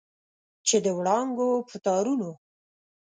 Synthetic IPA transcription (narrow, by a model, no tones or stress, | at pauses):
t͡ʃed̪əwɽɑŋɡopət̪ɑɾuno